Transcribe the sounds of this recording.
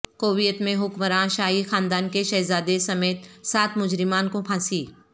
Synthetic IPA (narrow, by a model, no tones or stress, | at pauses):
koːʋijət̪mẽɦʊkmɾãːʃaːɦixaːnd̪aːnkeʃɐːzaːd̪esɐmeːt̪saːt̪mʊd͡ʒɾɪmaːnkõkʰãːsiː